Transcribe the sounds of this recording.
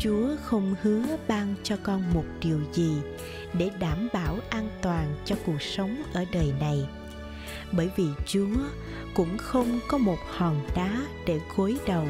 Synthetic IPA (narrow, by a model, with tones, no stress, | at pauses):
t͡ɕu˨˦əxə˧wŋ͡mhɨ˨˦əɓaː˧ŋt͡ɕɔ˧kɔ˧nmo˨˩t̚ɗi˨˩əwzi˨˩ | ɗe˧˩ɗaː˧˩mɓaː˧˩wʔaː˧nt̪waː˨˩nt͡ɕɔ˧ku˨˩ək̚sə˨˦wŋ͡mʔəː˧˩ɗəː˨˩jna˨˩j | ɓəː˧˩jvi˨˩t͡ɕu˨˦ə | kʊ̰˧˥ŋ͡mxə˧wŋ͡mkɔ˨˦mo˨˩t̚hɔ˨˩nɗaː˨˦ɗe˧˩ɣo˨˦jɗə˨˩w